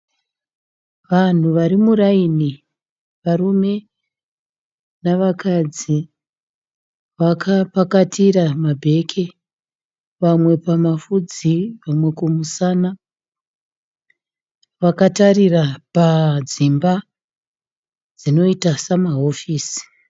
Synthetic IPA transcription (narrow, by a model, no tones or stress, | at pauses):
ʋan̤uʋaɾimuraini | ʋarume̞ | naʋakad͡zi | ʋakʰapakatʰiramabʱe̞kʰe | ʋamwe̞pamafud͡ziʋamwe̞kumusana | ʋakatarirapad͡zimba | d͡zino̞itasamaɦo̞fiːsi̥